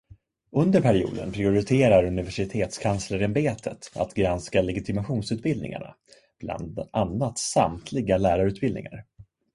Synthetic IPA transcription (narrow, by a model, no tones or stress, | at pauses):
ɵnd̪əɾpʰæɾɪṵːd̪ə̰npʰɾɪʊɾɪt̪ʰeːɾaɾɵnɪvæʂɪt̪ʰeːt̪skʰansləɾɛmbeːt̪ʰə̰t̪a̰t̪ɡɾanskalɛɡɪt̪ʰɪmaɧuːnsʉt̪̚bɪld̪nɪ̰ŋa̰ɳa̰ | b̥la̰nd̪ʔanːat̪samt̪ʰlɪɡalæːɾaɾʉ̟ːt̪bɪlnɪ̰ŋa̰ɾ